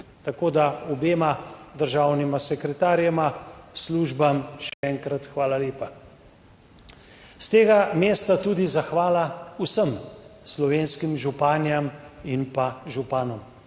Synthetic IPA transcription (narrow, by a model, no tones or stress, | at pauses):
t̪akoːd̪aɔbeːmad̪əɾʒaːwnimasɛkɾɛt̪aːɾjɛmasluːʒbamʃɛɛːŋkɾat̪xʋaːlaleːpa | st̪eːɡameːst̪at̪uːd̪izaxʋaːlausəmslɔʋeːnskimʒupaːnjaminpaʒupaːnɔm